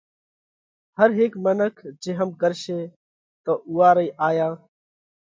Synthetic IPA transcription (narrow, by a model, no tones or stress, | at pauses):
həɾɦɪːkmənəkʰd͡ʒẽːɦəmɡəɾʃeː | t̪oːʔuːaːɾəiːʔaːjãː